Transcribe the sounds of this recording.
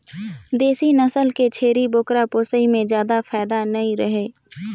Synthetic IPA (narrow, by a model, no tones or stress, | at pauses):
d̪eːsinəsəlket͡ʃʰeːɾiboːkɾapoːsəimẽzjaːd̪afaːɪd̪anəĩɾəɦeː